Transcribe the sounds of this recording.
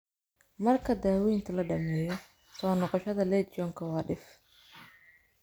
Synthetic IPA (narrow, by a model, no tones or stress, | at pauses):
mɐrkʰɐd̪aːwiːnt̪ʰɐlɐɖɐmɛːjɔ | sɔːnɔqɔʃɐðɐlɛːt̪̚t͡ʃɔːŋkʰɐwɑːɖɪf